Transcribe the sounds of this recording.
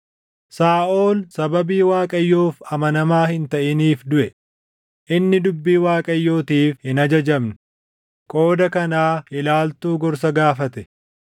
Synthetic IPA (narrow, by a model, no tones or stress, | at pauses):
saːʔo̞ːlsɐbɐbiːwaːkʼɐjːoːfɐmɐnɐmaːhɪnt̪ɐʔɪniːfd̪ʊʔɛ | ʔɪnːɪd̪ʊbːiːwaːkʼɐjːo̞ːt̪iːfhɪnɐd͡ʒɐd͡ʒɐmnɪ | kʼo̞ːd̪ɐkɐnaːɪlaːlt̪uːɡɔɾs̬ɐɡaːfɐt̪ɛ